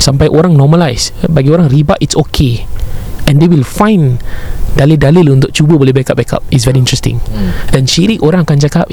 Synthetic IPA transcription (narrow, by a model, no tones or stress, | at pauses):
sãmpajʔoɾãŋnɔməlajsbaɡioɾãŋɾibaʔitsokʰe | ɛ̃ndewilfãjndalidalilũnt̪ʊʔ̚t͡ʃubəbɔlibɛkaʔ̚bɛkʰa̰p̚is̬vɛɾiĩntɹɛstḭ̃ŋdɛ̃nʃiɾikoɾãŋakant͡ʃakap̚